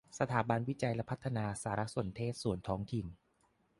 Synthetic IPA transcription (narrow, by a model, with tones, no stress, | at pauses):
sa˧t̪ʰaː˩˦ba˧nwi˦˥t͡ɕa˧jlɛ˦˥pʰa˦˥t̪ʰːa˧naː˧saː˩˦ɾa˦˥su˨˩ənt̪ʰeː˥˩t̪̚su˨˩ənt̪ʰɔː˦˥ŋt̪ʰi˨˩n